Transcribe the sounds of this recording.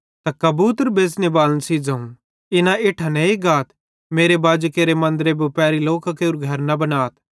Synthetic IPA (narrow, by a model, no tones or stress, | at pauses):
t̪akɐbuːt̪əɾbʱeːsnebaːlənsiːd͡zɐũ | ɪnãeːʈʰanɛeɡaːt̪ʰ | meːɾebaːd͡ʒkeːɾemɐ̃nd̪əɾebopɛːɾiloːkakeːɾuɡʱɐɾnɐbɐnaːt̪ʰ